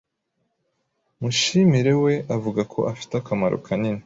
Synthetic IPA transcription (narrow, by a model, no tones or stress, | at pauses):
muʃimiɾe̞we̞ʔavuɡakʰo̞̰ʔafi̥takamaɾo̰kʰanini